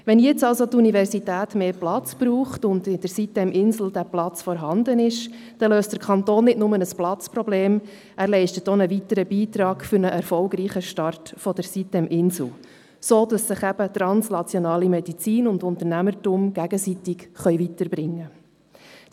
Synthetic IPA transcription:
ʋɛnjɛt͡sɑlsot̪univɛɾsitæːtmeːplɑt͡sb̥ɾuːχtʊndɪd̥əɾsit̚ɛmʔɪnsl̩ˠd̥æplɑt͡sfɔɾɦɑnd̪ənɪʃ | d̥ɛløːstd̥əɾkʰɑnt̪oːnːɪdnʊmənəsplɑt͡spɾɔbleːm | ʔæːɾlɛɪʃtətonəvitəɾəbiːt̪ɾɑːɡfʏɾnəʔɛɾfɔlɡɾiːχəʃtɑrtfɔd̥əɾsit̚dɛmʔɪnsl̩ | soːdɑsːɪχæb̥ət̪ɾɑnsnɑt͡sjonɑːlimɛdit͡siːnʊndʊnt̪əɾnæməɾtuːmɡ̥æɡ̥əsitɪkχœʏvitəɾbɾɪŋːə

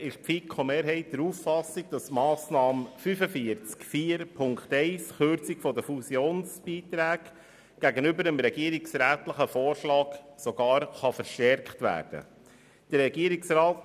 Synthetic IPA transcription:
ɪʃpfikʰomeːɾɦɛɪt̚d̥əɾuːfːɑsɪɡ̚d̥ɑsmɑːsnɑːmfyfəfiəɾt͡skfiːɾpʰʊŋkχtɛɪsχøɾt͡sɪkfɔdəfusjoːnsb̥iːt̪ɾæːk | ɡ̥æɡənʏbəɾəmɾɛɡiəɾɪksɾæːtləχəfoːɾʃlɑːksɔɡ̥ɑːɾχɑfəɾʃtɛɾkχtʋæ̰ːɾd̥ə̰ | d̥əɾɾɛɡiəɾɪksɾɑːt

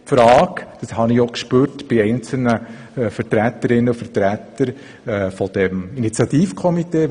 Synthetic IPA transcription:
pfɾɑːkd̪̥ɑshɑnɪokʃpøːɾtb̥ɪɛɪnt͡sl̩nə | fəɾtɾæt̪əɾɪnːəufəɾtɾæt̪əɾ | ɛːfɔd̪̥ɛminit͡sjɑtiːfkʰɔmiteː

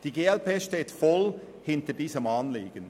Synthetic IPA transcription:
d̥iɡeːɛlpeːʃteːtfɔl | hɪntədiːsəmɑːnliːɡ̥ən

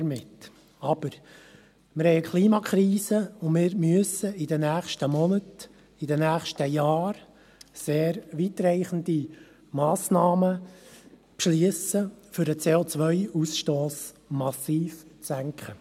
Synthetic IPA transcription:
ɾmɪt | ɑb̥əɾ | mɪɾhɛɪəkʰχliːmɑkχɾiːsəʊnmɪːɾmyəsəidənæːχʃtəmɔnət | idənæːχʃtəjɑːɾ | seːɾʋit̪ɾɛɪχəndi | mɑːsnɑːmə | pʃliəsəfʏɾət͡seːot͡sʋœʏusʃtoːs | mɑsiːft͡sæŋkχə

